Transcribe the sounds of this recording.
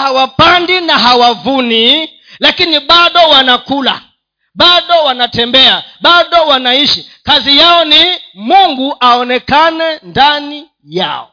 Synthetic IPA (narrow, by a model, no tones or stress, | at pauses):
hawapandinaɦawavuni | lakiniɓaɗɔwanakula̰ | ɓaɗɔwanatɛmbɛaɓaɗɔwanaiʃikazijaɔnimuŋɡuʔaɔnɛkanɛndani | ja̰ɔ̰